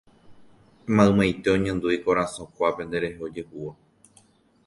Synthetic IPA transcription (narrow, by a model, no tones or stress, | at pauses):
mãɨ̃mãjt̪e̞õɲẽnd̪uikoɾãsõkʷape̞nd̪e̞ɾe̞ɦeo̞d͡ʒe̞huo